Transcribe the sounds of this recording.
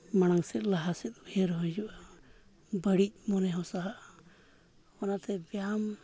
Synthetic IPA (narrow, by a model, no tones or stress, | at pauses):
mañaŋsɛt̪̚ˀlaɦasɛt̪̚bɛɾɦɔjd͡ʒuʔa | bəɽic̚ˀmɔnɛɦɔsaɦaʔ | ɔnat̪ɛbjam